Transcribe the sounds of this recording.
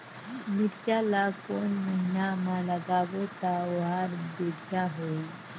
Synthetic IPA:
miɾt͡ɕalakonmənjamaləɡaʋot̪aɦaɾbeɽʱjaɦoi

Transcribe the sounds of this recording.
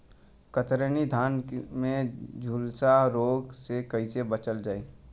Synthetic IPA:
kət̪ɾənid̪ʱaːnmẽd͡ʒʱʊlsaɾoːɡsekɐisebət͡ʃəld͡ʒaːeː

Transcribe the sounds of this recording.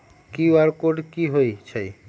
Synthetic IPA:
kiwaɾkoɖkiɦojt͡ɕʰaj

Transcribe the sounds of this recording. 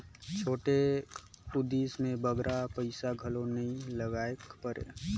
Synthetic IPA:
t͡ʃʰoːʈe | ʊd̪iːsmẽbəɡɾʔapəɪsaɡʱəlonəĩləɡaːekpəɾʔḛ

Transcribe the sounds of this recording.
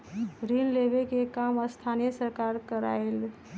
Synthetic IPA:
ɾinlebekekaməst̪ʰanijəsəɾkaɾkəɾa̰jl

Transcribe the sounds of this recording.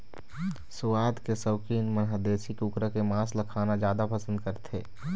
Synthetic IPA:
sʊwaːd̪kesəʊkiːnmənɦəd̪eːsikukɾəkemaːsləkʰaːnad͡ʒjaːd̪apəsə̃nd̪kəɾt̪ʰeː

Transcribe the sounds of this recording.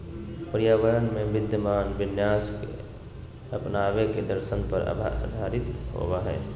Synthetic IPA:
pɾijaʋəɾənmebid̪ʱjəmaːnbinjaskḛ | əpnabeked̪əɾsənpəɾ̰ʱd̪ʱaɾit̪ɦo̰baɦɛ

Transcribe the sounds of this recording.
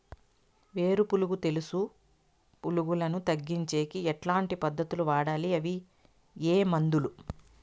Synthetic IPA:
ʋe̞ːɾupuluɡut̪e̞lusu | puluɡulɐnut̪ɐɡːiɲt͡ʃe̞ːkiɛʈlaːɳʈipɐd̪ʱːɐt̪uluʋaːɽaːliɐʋi | eːmɐnd̪ulu

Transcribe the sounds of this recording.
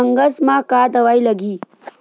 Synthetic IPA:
əŋɡəsmãkad̪əʋailəɡiː

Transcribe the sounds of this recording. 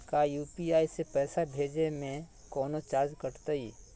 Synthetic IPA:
kajuːpiaːisepɛːsabʱeːd͡ʒemẽ | kɔːnot͡ʃaːd͡ʒkəʈt̪aiː

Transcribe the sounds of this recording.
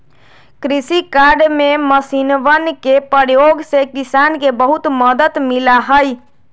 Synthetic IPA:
kɾisikaɖmeməsinʋənkepəɾjoɡsekisankebəɦut̪məd̪ət̪milaɦəj

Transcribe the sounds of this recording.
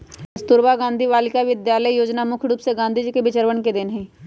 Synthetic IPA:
əst̪ʊɾbaɡãːnd̪ʱiʋaːlɪkaʋɪd̪jaːləijoːd͡ʒnamʊkʰɽuːpseɡãːnd̪ʱid͡ʒkebɪt͡ʃəɾʋənked̪ɪnɦɛ̃ː

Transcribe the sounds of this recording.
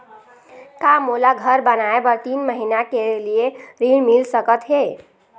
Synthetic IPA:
kamolaɡʱəɾbənaebəɾt̪inməɦinakelijeɾiɳmilsəkət̪ɦe

